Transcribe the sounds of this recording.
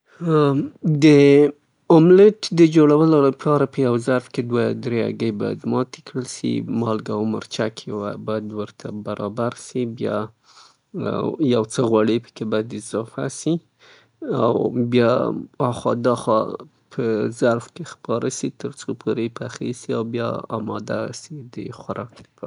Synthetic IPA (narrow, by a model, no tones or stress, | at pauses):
d̪ə | ʊmlɪʈd̪əd͡ʒoɽawəlapʰɑɾapəjawzaɾfked̪wad̪ɾea̰ɡəjba̰ja̰d̪mɑt̪e̥kɽəlsḭmɑlɡamə̰ɾt͡ʃakʰwabajad̪wəɾt̪ʰabaɾʔɑbaɾsibjɑ̰ | jawt͡səɣwaɽəpə̥kebɑjad̪ɪzɑfa̰si | awbjɑɑxɑd̪ɑxɑ̰ | pʰəzaɾfkexpɑɾasit̪əɾt͡sopʰoɾepaxesia̰wbjɑ̰ɑ̰mɑd̪a̰sid̪ə̰xwaɾʔɑk̚d̪əpʰ